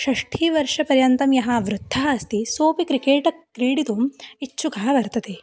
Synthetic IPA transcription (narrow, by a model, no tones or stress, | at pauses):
ʃɐʂʈʰiːʋɐɾʂɐpɐɾjɐnt̪ɐmjɐɦɐʋɾud̪ʱːɐɦɐɐst̪isoːpikɾikeːʈɐkɾiːɽit̪uːmit͡ʃːʃukɐɦɐʋɐɾt̪ɐt̪e